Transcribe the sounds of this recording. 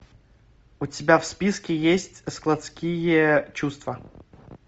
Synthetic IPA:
ʊtʲɪbʲafspʲiskʲɪjesʲtʲsklˠɐt̪skʲijət͡ɕust̪və

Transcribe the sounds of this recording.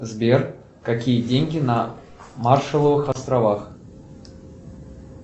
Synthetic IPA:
zbʲer | kakʲijədʲenʲɡʲɪnɐ | marʂɨlˠəvɨxɐst̪ɾavax

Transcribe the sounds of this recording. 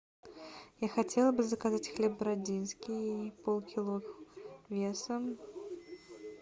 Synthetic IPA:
jaxat͡sʲɛlˠɐbɨzɐkazat͡sʲxlʲɛb̚ːɾad͡zʲinskʲiipɔlˠkʲilˠɔxvʲɛsɐm

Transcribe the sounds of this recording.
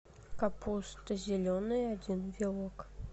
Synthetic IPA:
kapust̪ɨzʲɪlʲɔnɨjad͡zʲinvʲɪlˠɔk

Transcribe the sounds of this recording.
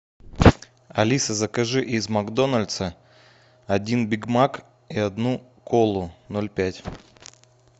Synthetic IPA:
ɐlʲisəzəkɐʐɨʔizmɐɡd̪o̞nəlʲt̪sə | ɐdʲinbʲɪɡmak | iɐd̪nu | kʰolˠʊnolʲpʲætʲ

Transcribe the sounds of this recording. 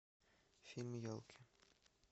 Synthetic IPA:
fʲilʲmjolˠkʰi

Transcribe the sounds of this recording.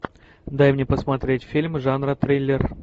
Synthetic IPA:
d̪ajmnʲepəsmɐt̪ɾʲetʲfʲilʲmʐanɾət̪ɾʲelʲer

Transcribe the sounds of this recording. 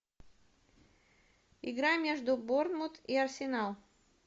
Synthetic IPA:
ɪɡɾamʲeʐd̪ʊbornmʊt̪iɐrsʲɪnalˠ

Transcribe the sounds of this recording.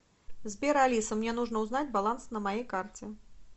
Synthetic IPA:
zʲbʲɛɾalʲisɐmnʲɛnuʐnɐwznad͡zʲbalˠansnɐmajejkart͡sʲɛ

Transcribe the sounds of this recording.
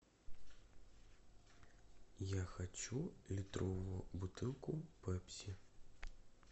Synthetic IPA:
jaxat͡ʃulʲit̪ɾɔʋʊʊbut̪ɨlˠkʊpɛpsʲi

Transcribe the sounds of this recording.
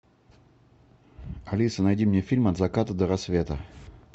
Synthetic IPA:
ɐlʲisənɐjdʲimnʲefʲilʲmɐt̪zɐkat̪əd̪əɾɐsvʲe̞t̪ə

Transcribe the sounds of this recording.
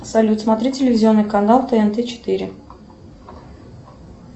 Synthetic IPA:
sɐlʲut̪smɐt̪ɾʲitʲɪlʲɪvʲɪzʲɪo̞nːɨkɐnalˠt̪ɛɛnt̪ɛt͡ɕɪ̥t̪ɨɾʲɪ̰

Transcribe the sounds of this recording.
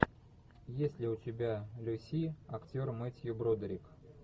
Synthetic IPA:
jesʲlʲɪutʲɪbʲalʲusʲiaktʲormɨtʲjubɾod̪ɾʲik

